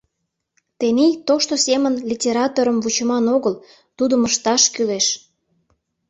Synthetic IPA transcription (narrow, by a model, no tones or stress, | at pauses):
t̪enijt̪oʃt̪osemənlʲitʲeɾɑt̪oɾəmvut͡ɕəmɑnoɣəl | t̪ud̪əməʃt̪ɑʃkyleʃ